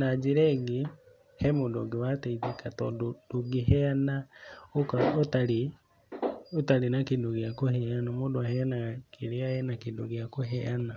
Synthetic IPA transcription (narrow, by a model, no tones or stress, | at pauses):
nad͡ʒiɾɛːɡi | hɛmodoɡewateitekatɔ̰dodoɡiɦɛanaokaotali | otalinakindoɡiakohɛanamodoahɛanakʰiɾeajɛnakindo̰ɡiakoɦɛana